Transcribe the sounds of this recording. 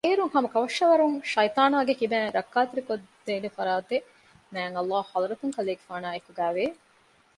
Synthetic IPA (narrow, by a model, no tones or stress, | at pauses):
eːɾuŋhɐmɐkɐʋɐʃːɐʋɐɾuŋʃɐjt̪aːnaːɡekibæːɾɐkːaːt̪iɾikod̪d̪eːlefɐɾaːt̪e | næːŋɐlːaːɐzɾɐt̪uŋkɐleːɡefaːnaːekuɡæːʋeː